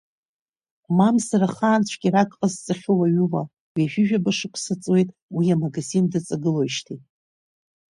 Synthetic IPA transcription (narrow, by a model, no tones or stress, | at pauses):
mamsaraχaːnt͡ɕʷʰɡʲiɾakʼqʼəzt͡sʼɨχʲʊwaɥʊva | wiaʒᶣɪʒᶣabaʂɨkʷʰsat͡sʼwe̞jtʼwiamaɡazindat͡sʼaɡɨlo̞jʃtʰitʼ